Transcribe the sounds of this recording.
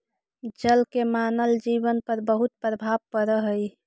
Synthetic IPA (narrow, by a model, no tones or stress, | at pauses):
d͡ʒəlkemanəld͡ʒibənpəɾbəɦut̪̚pɾəbʱabpəɾəɦəj